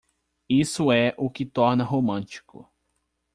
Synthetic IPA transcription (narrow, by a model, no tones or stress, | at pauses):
isʊɛʔʊkɪt̪ɔɾnɐɦomɐ̃t͡ʃi̥kʊ̰